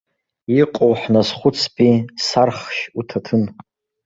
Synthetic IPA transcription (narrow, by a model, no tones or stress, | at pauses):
iqʼowħnasχʷʊt͡sʰpʼisarχʃutʰatʰɨn